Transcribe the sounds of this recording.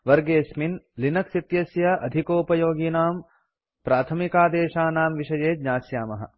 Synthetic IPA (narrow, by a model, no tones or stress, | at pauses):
ʋɐɾɡeːsminlinɐksit̪jɐsjɐʔɐd̪ʱikoːpɐjoːɡiːnaːm | pɾaːt̪ʰɐmikaːd̪eːʃaːnaːmʋiʂɐjeːd̪ɲaːsjaːmɐɦɐ̰